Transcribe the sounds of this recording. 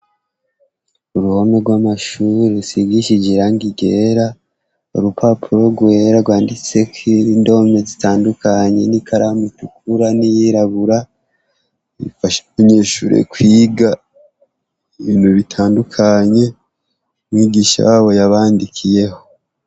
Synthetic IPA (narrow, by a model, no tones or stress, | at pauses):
uɾuhomeɡwamaʃuɾesiɡiʃid͡ʒiɾaŋɡiɡeɾa | ṵɾupʰapʰuɾo̞ɡwe̞ːɾaɡwaːndit͡se̞kiɾindo̞me̞zitaːndukaɲe̞̰nikʰaɾamutukʰuɾanijiɾaβuɾa | ifaʃaɲeːʃuːɾḛkwiːɡa | iββiːnhuβitʰaːndukʰaɲe̞ | mŋiːɡiːʃa̰jaːβo̞jaβaːndikʰije̞ho̞